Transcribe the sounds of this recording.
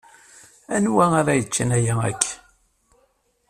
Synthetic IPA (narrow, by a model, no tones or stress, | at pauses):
ænwæaɾˤæjət͡ʃːənæjææ̰kʰː